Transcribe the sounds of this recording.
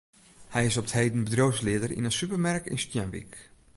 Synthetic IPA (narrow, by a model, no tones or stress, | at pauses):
hɛjɪsɔpthejdən̩bədrowslɪədərḭnətsypərmɛrkɪ̰nstjanʋḭk